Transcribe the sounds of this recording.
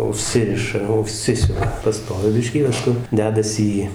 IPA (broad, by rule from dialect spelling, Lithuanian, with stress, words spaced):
ʊˈʃʲsʲɪrʲɪʃɐ ʊˈʃʲsʲɪsʲʊʋɐ pɐˈstoːʋʲɪ ˈbʲɪʃʲkʲiː pɐsˈkʊ ˈdʲæːdɐsʲɪ iː